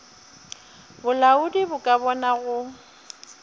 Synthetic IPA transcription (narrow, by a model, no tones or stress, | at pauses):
bʊlaʊdibʊkʼabɔnaɣʊ